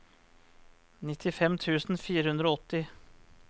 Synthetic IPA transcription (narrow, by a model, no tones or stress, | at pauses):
nɪt̪ʰɪfɛmt̪ʰʉːsn̩fiːɾəhʉnd̪ɾɔɔt̪ːɪ